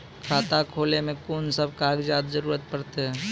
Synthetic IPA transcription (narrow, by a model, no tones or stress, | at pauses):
kʰaːt̪akʰoːlemẽkoːnsəb̚kaɡd͡ʒaːd̪zəɾuːɾət̪̚pəɽt̪eɦɛ̃ː